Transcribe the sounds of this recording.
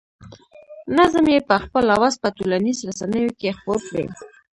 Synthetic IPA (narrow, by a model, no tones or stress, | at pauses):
nazəmjepəxpəlawazpət̪ulanizɾasanəjokexpoɾkɽḛ